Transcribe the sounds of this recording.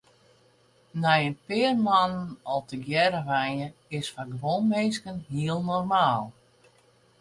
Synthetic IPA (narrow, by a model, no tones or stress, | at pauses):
nɛjənpɪərmanənɔlˠtəɡjɛɾəʋanəɪsfaɡəʋonmejskənɦiəlˠnɔrmaːlˠ